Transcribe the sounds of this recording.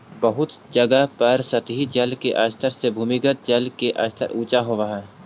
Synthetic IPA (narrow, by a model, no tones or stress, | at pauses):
bəɦʊt̪d͡ʒəɡəpɐɾsɐt̪ɦid͡ʒɐlkeʔaːst̪ʰəɾsebʱuːmiɡət̪̚d͡ʒɐlkeʔa̰ːst̪ʰə̰ɾuːt͡ʃaɦoʋaɦɛː